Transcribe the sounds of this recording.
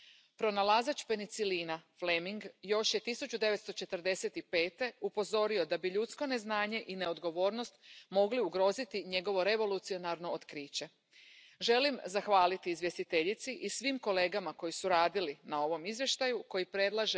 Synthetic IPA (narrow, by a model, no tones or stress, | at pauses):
pɾo̞nalazat͡ɕpe̞nit̪siliːnaflemiŋɡjo̞ʃje̞t̪isut͡ɕud̪e̞ʋet̪st̪o̞t͡ʃe̞t̪əɾd̪e̞se̞t̪ipe̞ːt̪e̞upo̞zo̞ɾio̞d̪abiʎut̪sko̞ne̞znaːɲe̞ʔine̞o̞d̪ɡo̞ʋo̞ːɾno̞st̪mo̞ɡliuɡɾo̞zit̪iɲe̞ɡo̞ʋo̞ɾe̞ʋo̞lut̪sio̞naɾno̞ot̪kɾiːt͡ɕe̞ | ʒe̞limzaxʋaːlit̪iːzʋje̞st̪it̪e̞ʎit̪siʔisʋimko̞le̞ːɡamako̞jisuɾaːd̪ilinao̞ʋo̞mizʋje̞ʃt̪ajuko̞jipɾed̪lˠaʒe